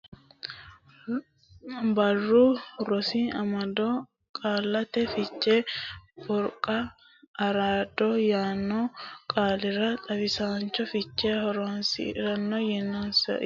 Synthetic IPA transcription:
bɐrːuːɾɔsiːʔɐmɐd̪oː | kʼaːlːɐt̪ɛfɪt͡ʃːeːfʊɾkʼɐː | ɾaːd̪ojaːnːoːkʼaːlɪrɐt̪ʼɐbɪsaːnt͡ʃːɔfɪt͡ʃːeːhɔɾoːnsɪ̰ɾɐnːojɛnːonsɐ̰

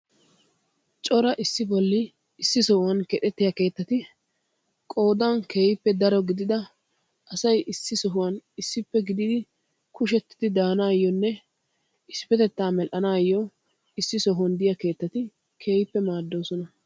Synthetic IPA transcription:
t͡ʃʼɔɾɐʔɪsːɪbɔlːɪː | sːɪsɔhʊwɐnkɛt̪ɛt̪ːɪjɐke̞ːt̪ːɐt̪ɪ | kʼo̞ːd̪ɐnkeːjɪpːɛd̪ɐɾɔɡɪd̪ɪd̪ɐ | ʔɐsɐjʔɪsːɪsɔɦʊwɐnɪsːɪpːɛɡɪd̪ɪd̪ɪ | kʊʃ̬ɛt̪ːɪd̪ɪd̪aːnaːjːɔnːɛ | ɪspɛt̪ɛt̪ːaːmɛlʔɐnaːjːɔ | ɪsːɪsɔɦʊwɐnd̪ɪjɐke̞ːt̪ːɐt̪ɪ | kʰe̞ːjɪpːɛmaːd̪ːo̞ːsɔnɐ

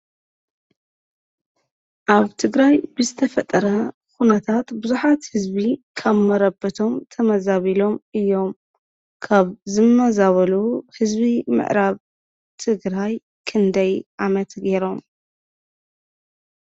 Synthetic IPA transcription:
ʔaβt̪ʰɨɡɾajbɨzɨt̪ʰɐfɐt̪ʼːɐɾɐ | xunɐt̪ʰat̪bɨzuħat̪hɨzbikʰaβmɐɾɐbɐt̪ʰo̞mt̪ʰɐmɐzaβilo̞mɨjːo̞m | kʰaβzɨmɐzaβɐluhɨzbimɨ̰ʕɾaβ | t̪ʰɨɡɾaj | kʰɨnd̪ɐjʔamɐt̪ɡeɾo̞m

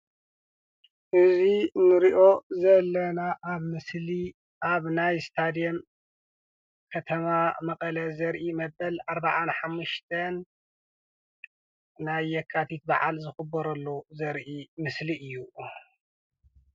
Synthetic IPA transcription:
ʔɨzinɨɾiʔo̞zɐlːɐnaʔaβmɨsli | ʔaβnajst̪ʰad̪ijom | kʰɐt̪ʰɐmamɐkʼɐlɐzɐɾʔimɐbɐlʔaɾbaʕanħamːuʃt̪ʰɐn | ajːɛkʰːat̪ʰit̪̚baʕa̰lzɨxɨbːɐɾɐlːozɐɾʔimɨsliʔɨjːu

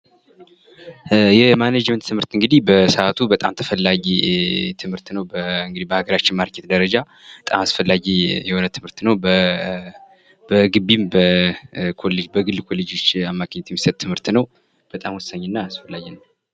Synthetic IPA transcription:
jɛmanad͡ʒmənt̪ːʰɨmhɨɾt̪ɨŋɡɨd̪ihbəsəʔat̪ʰubət̪ʼamt̪ʰəfəlːaɡit̪ʰɨmhɨɾt̪nəwbəɨŋɡɨd̪ibəhaɡəɾat͡ʃːɪnmaɾkʰːet̪̚d̪əɾəd͡ʒa | bət̪ʼa̰masfəlːaɡijɛho̞nət̪ʰɨmhɨɾt̪nəwb | bəɡɨbːimbəkʰoled͡ʒbəɡɨlːkʰo̞lːed͡ʒo̞t͡ʃːamːakʰɲːɛt̪jɛmːisət̪t̪ʰːɨmhɨɾt̪nəw | b̥ət̪ʼamwɔsːaɲːnːaːsfəlːaɡɛnːw

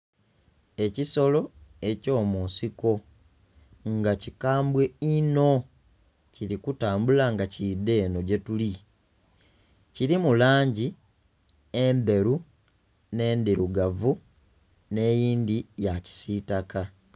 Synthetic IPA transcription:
e̞ciso̞lo̞e̞co̞ːmuːnsiko̞ | ŋɡacikaːmbwe̞ino̞ | ciɾikutaːmbulaŋɡacide̞ːno̞ɟe̞tuli | ciɾimulaːɲɟi | embe̞ɾu | ne̞ːndiɾuɡavu | ne̞ːjiːndijaci̥sitaka

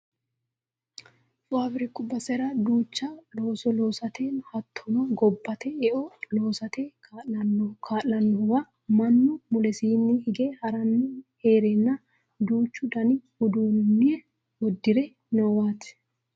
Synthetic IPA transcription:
faːbɾɪkːʊbɐsɛɾɐd̪uːt͡ʃːɐloːsɔlo̞ːsɐt̪ʰeːnhɐt̪ʰːɔnɔɡɔbːɐt̪ɛɛʔɔloːsɐt̪e | kʰaːlɐnːɔʊwa | mɐnːʊmʊlɛsiːnːɪhɪɡeːhɐɾɐnːɪheːɾɛnːɐ | d̪uːt͡ʃːʊd̪ɐnɪhʊd̪uːnnːɪɛ | wɔd̪ːɪɾɛ | nɔwaːt̪ɪ̥

